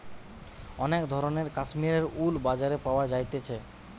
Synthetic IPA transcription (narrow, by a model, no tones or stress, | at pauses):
ɔnekd̪ʱɔɾoneɾkaʃmiɾeɾulbad͡ʑaɾepaoad͡ʑajt̪et͡ɕʰe